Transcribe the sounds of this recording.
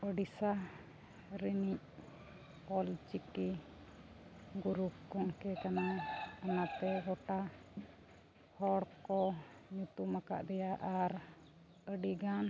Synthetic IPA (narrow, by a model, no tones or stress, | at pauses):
əɖisa | ɾinic̚ | pɔlt͡ʃiki | ɡuɾukɔŋkɛkanaanat̪ɛɡɔʈa | hɔɽkɔɲut̪umaka̰ʔd̪ɛjaʔaɾ | əɖiɡan